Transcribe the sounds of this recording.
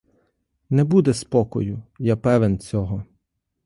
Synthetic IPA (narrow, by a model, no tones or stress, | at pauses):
nɛbud̪ɛspɔkɔ̰jʊjapɛʋent͡sʲɔɦɔ